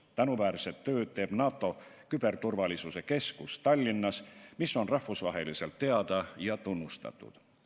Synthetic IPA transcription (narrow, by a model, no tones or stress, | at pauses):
t̪ænuvæːɾset̪ːø̞ːd̪̥̚t̪e̞ːb̥nɑːt̪ːˑo̞ | kyb̥e̞rt̪urvɑlʲisuse̞ke̞skust̪ɑlʲːinːɑsmisːo̞nrɑhvusvɑ̰ɦe̞lise̞lt̪ːe̞ɑd̪̥ɑjɑt̪unːust̪ɑ̰t̪ːˑṵd̪̥